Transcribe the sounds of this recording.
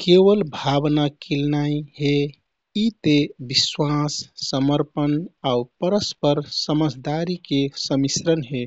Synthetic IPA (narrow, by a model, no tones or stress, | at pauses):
keʋəlbʱabnakilnaiɦe | it̪ebiswasːəməɾpənaupəɾəspəɾsəməd͡ʒd̪aɾikesəmisɾənɦe